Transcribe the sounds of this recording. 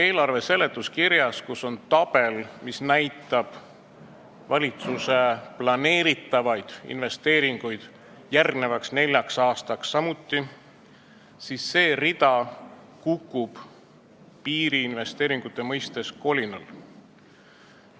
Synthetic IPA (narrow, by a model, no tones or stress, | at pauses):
e̞ːlɑrve̞se̞le̞t̪ˑːuskiɾjɑskuso̞nt̪ɑb̥e̞lmisnæjt̪ːˑɑb̥ | vɑlʲit̪suse̞plɑne̞ːɾit̪ːˑɑvɑjd̪̥ḭnve̞st̪e̞ːɾiŋɡ̥ujd̪̥ | jærɡ̥ne̞vɑksne̞lʲjɑksɑːst̪ɑksːɑmut̪ˑːi | sisːe̞ːrid̪̥ɑ | kukːˑub̥ | piːɾiːnve̞st̪e̞ːɾiŋɡ̥ut̪ːˑe̞mɤjst̪e̞sko̞lʲinɑl